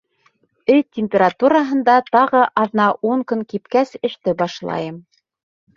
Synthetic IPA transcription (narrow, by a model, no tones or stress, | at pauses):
ɘtʲːɪmʲpʲeɾat̪uɾɑɦɤ̆nd̪ɑt̪ɑʁɤʔɑðnɑʔuŋkɵŋkipkæsɘ̆ʃt̪ɘbɑʃlˠɑ̰jɤm